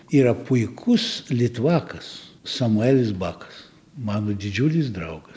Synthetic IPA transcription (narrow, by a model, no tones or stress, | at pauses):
iːɾɐpʊɪkʰʊslʲɪt̪ʊʋɑːkɐssɐmʊæːlʲɪsbɑːkɐ̥s | mɑːnod̪ʲɪd͡ʒʲuːlʲɪsd̪ɾɐʊɡɐs